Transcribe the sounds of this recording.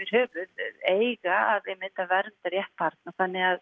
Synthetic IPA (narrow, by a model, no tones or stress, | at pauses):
vɪɾ̥hœːvʏðeːjɣaaðɛmɪnt̪avɛɾnt̪aɾjɛhpʰaɾt̪naθanːɪɣað